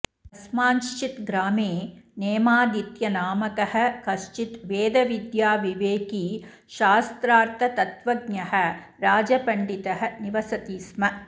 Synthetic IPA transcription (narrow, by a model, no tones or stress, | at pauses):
ɐsmaːnʃt͡ʃit̪ɡɾaːmeːneːmaːd̪it̪jɐnaːmɐkɐhɐ̆kɐʃt͡ʃit̪ʋeːd̪ɐʋid̪jaːʋiʋeːkiː | ʃaːst̪ɾaːɾt̪ʰɐt̪ɐt̪ʋɐɡɲɐhɐ̆ | ɾaːd͡ʒɐpɐɳɖit̪ɐɦɐ̆niʋɐsɐt̪iːsmɐ